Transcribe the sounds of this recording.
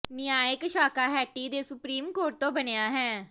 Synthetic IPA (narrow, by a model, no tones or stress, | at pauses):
nɪjaːjɪkʃaːkaːɦɛːʈiːd̪eːsʊpɾiːmkoːɾʈ̚t̪õːbənejaːɦɛ̃ː